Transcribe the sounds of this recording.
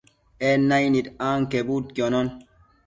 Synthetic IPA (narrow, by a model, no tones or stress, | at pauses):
ɛnajnitaːŋkebut̚konɔn